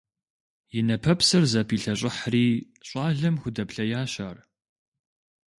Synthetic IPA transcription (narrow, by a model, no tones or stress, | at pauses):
jɪnɐpʰɐpsɐrzɐpʰiːɬɐɕʼɪħriː | ɕʷʼɑːɮɐmxʷʊdɐpɬɐjaːɕaːr